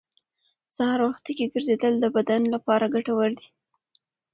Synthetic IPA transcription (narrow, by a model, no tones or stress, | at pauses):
sahɑɾwaxt̪ikeɡəɾzed̪əld̪əbad̪anlapɑɾaɡaʈawaɾd̪i